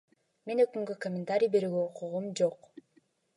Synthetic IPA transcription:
me̞nøkyŋɡøkomʲɪnt̪aɾʲijbe̞ɾyːɡeoquʁumd͡ʒo̞q

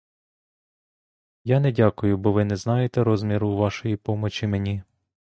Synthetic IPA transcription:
janɛdʲakʊjʊbɔʋɪnɛznɑjet̪ɛɾɔzmʲiɾʊʋɑʃɔjipɔmɔt͡ʃʲimenʲi

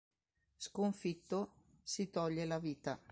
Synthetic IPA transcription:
skoɱfit̪ːo | sit̪ɔʎːelaviːt̪a

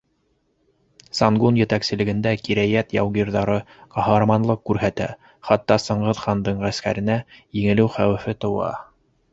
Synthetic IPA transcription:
sɑŋɡunjɘ̆t̪æksɘ̆lɘ̆ɡɘ̆nd̪ækiɾæjæt̪jɑ̰wɣiɾðɑɾɤ | qɑhɑɾmɑnlˠɤqkːʉɾɦæt̪æ̰ | χɑt̪ːɑsɤ̆ɴʁɤðχɑnd̪ɤɴʁæskæ̰ɾɘ̆næjɘ̆ŋɘ̆lɘwχæwɘ̆fɘt̪ŏwɑ̰

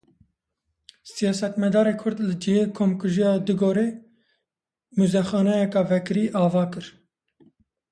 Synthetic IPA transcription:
sijɑːsɛt̪mɛd̪ɑːɾeːkʰʊɾd̪lɨd͡ʒiheːkʰomkɨʒijɑːd̪ɨɡoːɾeː | muzɛxɑːnɛjɛkɑvɛkɨɾiːʔɑːvɑːkɨɾ

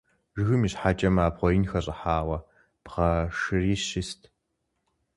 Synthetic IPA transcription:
ʒɨxɨmiːɕħaːt͡ʃʼɐmaːbʁʷɔɪnxɐɕʼɪħaːwɐ | pʁɐʂɨriːʃɪstʰ

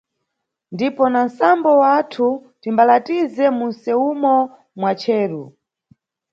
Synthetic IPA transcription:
ndipɔnansambɔwatʰu | timbalatizɛmunsɛumɔ | mwat͡ʃʰɛːɾu

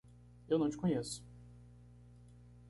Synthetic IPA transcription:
ewnɐ̃w̃t͡ʃɪ̥kõɲesʊ̥

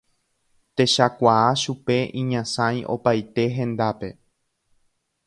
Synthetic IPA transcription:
t̪e̞ʃakʷaaʃupe̞ʔĩɲãsãj̃ʔo̞̰pajt̪e̞ɦẽ̞nd̪ape̞

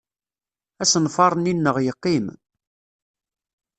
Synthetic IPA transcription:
æsənfɑɾˤninːəʁjəqːim

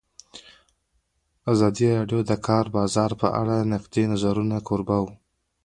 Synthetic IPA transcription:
azɑd̪iɾɑɖjod̪əkʰɑɾbɑzɑɾpə̰ʔa̰ɽanɪqd̪enazaɾunakʰoɾbaw

